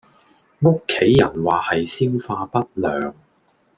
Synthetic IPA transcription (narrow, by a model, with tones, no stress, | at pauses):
ŋʊ˥kʰːe˨˥jːɐ˨˩nwaː˨hɐ˨jsiː˥nfaː˧pɐ˥t̚lœː˨ŋ